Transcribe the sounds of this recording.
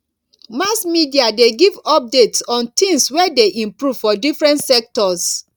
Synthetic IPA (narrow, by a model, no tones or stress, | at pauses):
masmidiadeɡivɔp̚detsɔ̃ntĩŋswɛdeʔĩmpɹuv̥fɔdifɹɛ̃ntsɛk̚tɔs